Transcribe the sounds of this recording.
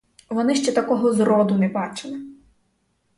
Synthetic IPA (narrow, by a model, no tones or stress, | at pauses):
ʋɔnɪʃt͡ʃɛt̪ɐkɔɦɔzrɔd̪ʊnɛbɑt͡ʃɪlˠɪ